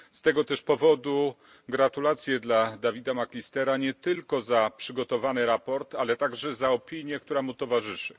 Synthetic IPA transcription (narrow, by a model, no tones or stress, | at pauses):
st̪ɛɡɔt̪ɛʂpɔvɔd̪u | ɡɾat̪ulat̪sʲjɛd̪lad̪avʲid̪amaklʲist̪ɛɾaɲɛt̪ɘlkɔzapʂɘɡɔt̪ɔvanɘɾapɔɾt̪alɛt̪aɡʐɛzaɔpʲiɲjɛkt̪uɾamut̪ɔvaʐɘʂɘ̥